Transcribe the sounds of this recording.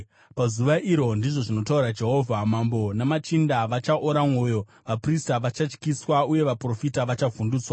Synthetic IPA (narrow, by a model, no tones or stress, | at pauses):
pazuʋaʔiɾo̞ndiʐo̞ʐino̞tauɾad͡ʒe̞ɦo̞vʱamambo̞namat͡ʃindaʋat͡ʃaʔoɾamwo̞jo̞ | ʋapristaʋat͡ʃat͡ʃkiswauje̞ʋapro̞fitaʋat͡ʃavunduːt͡swa